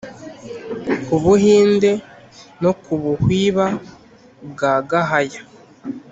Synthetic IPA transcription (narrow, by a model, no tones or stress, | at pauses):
kuβuɦiːnde | no̞kʰuβuhwiːβa | b̚ɡaːɡaɦaja